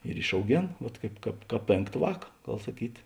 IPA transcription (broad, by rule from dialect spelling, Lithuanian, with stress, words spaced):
ɪr ɪʃɐʊˈɡʲeːn ˈʋɐt ˈkɐɪp ˈkɑːp ˈkɑːp ˈpʲeːŋkt ˈʋɑːk ˈɡɐlˠ sɐˈkʲiːt